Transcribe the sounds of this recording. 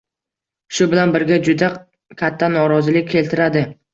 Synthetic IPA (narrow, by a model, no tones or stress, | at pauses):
ʃʊbɪlanbɪɾɡʲad͡ʒʊd̪a | kʲʰat̪ʰːanɒɾɒzɪlɪk̚ʲkʰʲːe̞lt̪ʰɪɾad̪ɪ